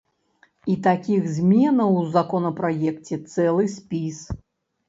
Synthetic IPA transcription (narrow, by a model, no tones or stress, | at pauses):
it̪akʲiɣzʲmʲɛnɐwzakɔnɐpɾajɛkt͡sʲɛt̪sɛlˠɨsʲpʲis